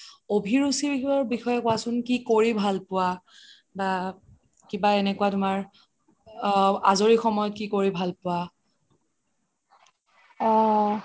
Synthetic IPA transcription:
obʱiɹusibiɔɹbixɔjɛkʊasʊnkikoɹibʱalpʊwa | ba | kibaɛnɛkʊwatʊmaɹ | azoɹixɔmɔjɔt̚kikoɹibʱalpʊwa | ɔ

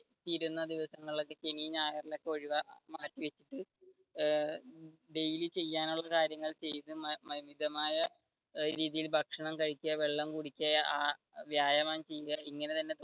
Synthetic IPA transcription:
t̪iːɾunːɐd̪iʋɐsɐŋːɐɭɭokːe̞ɕenijɲaːjɐrilokːeɐɻiʋɐmaːtːiʋet͡ɕːiʈːɨ | ɖe̞jilit͡ɕe̞jːaːnuɭːɐkaːɾjɐŋːɐɭt͡ɕe̞jt̪ɨmmɐɦimid̪ʱɐmaːjɐ | ɾiːðijilbʱɐkʂɐɳɐmkɐɻikʲːuɐʋe̞ɭːɐmkuɽikʲːɐaː | ʋjaːjɐmaːnt͡ɕe̞jːuɣɐiŋːɐnet̪ɐnːe̞

